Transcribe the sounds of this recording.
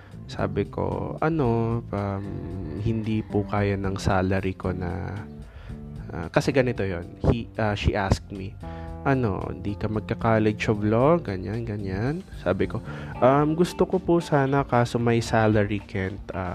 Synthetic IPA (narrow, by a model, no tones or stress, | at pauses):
sa̰ːbɪko̞̰ʔɐno̞ʔamhɪnd̪iːpʊkaːjanɐŋsaːlɐɾiko̞nɐ̰ | ʔa̰ːkɐsɛɡɐnɪt̪o̞jo̞̰nhiʔaːʃiʔask̚miʔɐno̞̰ɪ̰nd̪iːkɐmɐɡ̚kɐkaːlɛt͡ʃovloɡɐɲanɡɐɲansa̰ːbɪko̞ʔɐmɡʊst̪okopusaːnɐkaːso̞mɐjsaːlɛɹikʰɛnt̪ʔa̰